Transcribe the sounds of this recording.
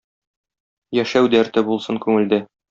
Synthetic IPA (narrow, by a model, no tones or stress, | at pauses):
jæʃæwd̪æɾt̪ɘbulˠsɤŋkʉŋɘ̆ld̪ɘ